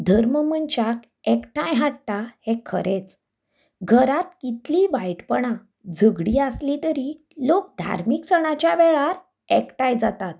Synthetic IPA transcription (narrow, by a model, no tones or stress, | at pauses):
d̪ʱəɾməmənt͡ɕak | ɛkʈãjɦaʈʈ̪ahekʰəɾet͡s | ɡʱəɾat̪̚kit̪liʋajʈpəɳ̃ã | d͡zʱəɡɽiəslit̪əɾi | lok̚d̪ʱa̰ɾmiksəɽ̃at͡ɕjaʋɛɭaɾ | ɛkʈajd͡zat̪at̪̚